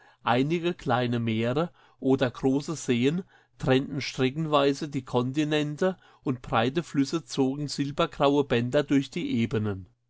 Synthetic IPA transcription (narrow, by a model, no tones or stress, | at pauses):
ʔaɪnɪɡəkʰl̥aɪnəmeːʁə | ʔoːdɐɡʁoːsəz̥eːən | tʁ̥ɛntn̩ʃtʁ̥ɛkn̩vaɪzədiːkʰɔntinɛntə | ʔʊntb̥ʁaɪtəflʏsət͡soːɡŋ̩z̥ɪlbɐɡʁaʊəbɛndɐdʊɐçd̥iːʔeːbənən